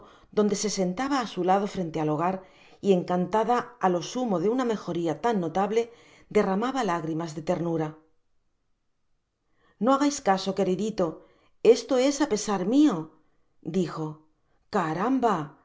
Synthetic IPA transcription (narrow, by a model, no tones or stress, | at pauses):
d̪o̞nd̪e̞se̞se̞nt̪aβaːsulað̞o̞fɾe̞nt̪ealo̞ɣ̞aɾ | ie̞ŋkant̪aðaːlo̞sumo̞ðe̞uname̞xo̞ɾiat̪anːo̞t̪aβle̞ | d̪e̞ramaβalaɣɾimazðe̞t̪e̞ɾnuɾa | no̞aɣajskaso̞ke̞ɾiðit̪o̞ | e̞st̪o̞e̞sape̞saɾmio̞ | d̪ixo̞ | kaɾamba